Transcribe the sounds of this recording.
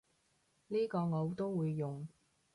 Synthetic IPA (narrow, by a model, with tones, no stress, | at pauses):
liː˥kɔː˧ŋo˨˧wt̪o˥wwuː˨˧jːʊ˨ŋ